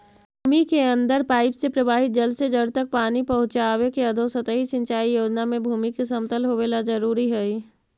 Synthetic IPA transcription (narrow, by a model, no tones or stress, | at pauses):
bʱuːmikeə̃nd̪əɾpaːɪpsepɾəbʱaːɦɪt̪̚d͡ʒəlsed͡ʒəɽt̪ək̚paːnipɐɦʊ̃t͡ʃaːʋekeəd̪ʱosət̪əɦisə̃ɲt͡ʃaːijoːd͡ʒnamẽbʱuːmikesəmt̪əlɦoʋeːlazəɾuːɾiɦɛi